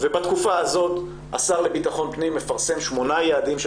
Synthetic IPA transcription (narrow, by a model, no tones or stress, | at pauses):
vebat̪kufaazo̞t̪ | ʔa̰saʁle̞bitaχo̞npnimːe̞faʁse̞mʃmo̞najead̪imʃ